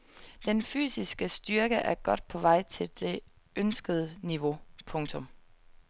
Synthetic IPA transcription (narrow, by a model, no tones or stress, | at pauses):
d̥enfy̰ːsisɡ̥əsd̥yɐɡ̥əʔæɐɡ̥ɒ̽d̥̚pʰɒ̽ʋɑ̈ɪ̰t͡sʰe̝ld̥e̝ | ønsɡ̥əð̞ˠəniʋo̝pʰɔ̽ŋt͡sʰɔ̽m